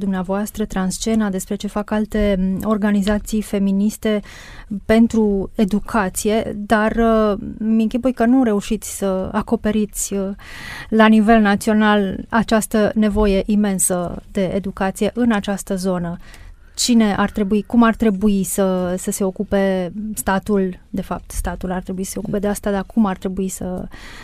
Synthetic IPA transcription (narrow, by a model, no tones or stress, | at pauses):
d̪umneavoast̪ɾət̪ɾanst͡ʃe̞nad̪e̞spɾe̞t͡ʃe̞fakalt̪e̞o̞rɡanizat̪sijfe̞minist̪e̞ | pe̞nt̪ɾue̞d̪ukʰat̪sije̞d̪ar | miŋkʲipujkənuɾe̞uʃit̪sʲsəako̞pe̞ɾit̪sʲ | lanive̞lnat̪sio̞nalat͡ʃast̪əne̞vo̞je̞ʔime̞nsəd̪e̞ed̪ukat̪sije̞ʔɨnat͡ʃast̪əzo̞nə | t͡ʃine̞ʔart̪ɾe̞buikumart̪ɾe̞buisəsəse̞o̞kupe̞st̪at̪uld̪e̞fap̚t̪st̪at̪ulart̪ɾe̞buisə̥seokupe̞d̪east̪ad̪akumart̪ɾe̞buisə̰